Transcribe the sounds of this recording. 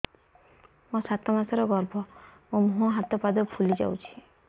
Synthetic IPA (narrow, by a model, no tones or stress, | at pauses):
mɔ̃sat̪ɔmasɔɾɔɡɔɾbʱɔmũmoɦɔ̃ɦat̪ɔpad̪ɔpʰulid͡ʒa̰wt͡ʃʰi̥